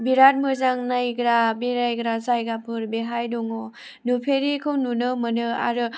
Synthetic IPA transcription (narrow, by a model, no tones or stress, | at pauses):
biɾat̚mɯzaŋnajɡɾabeɾajɡɾazajɡapʰɯɾbeɦajdɔŋo | nupʰeɾikʰɯwnunɯmɯnɯa̰ɾɯ